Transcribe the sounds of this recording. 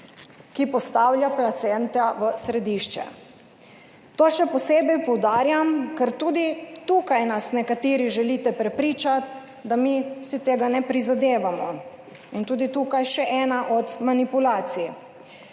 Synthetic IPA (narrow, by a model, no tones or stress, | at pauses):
kipɔst̪aːwljaplat̪sɛnt̪aʋəsɾɛd̪iʃt͡ʃɛ̰ | t̪oːʃɛpɔseːbɛjpɔwd̪aːɾjamkɛɾt̪uːd̪it̪ukajnasnɛkat̪iːɾiʒɛlit̪ɛpɾɛpɾiːt͡ʃat̪ | d̪amisit̪eːɡanɛpɾizad̪eːʋamɔ | int̪uːd̪it̪uːkajʃɛʔɛːnaʔɔt̪manipulaːt̪sij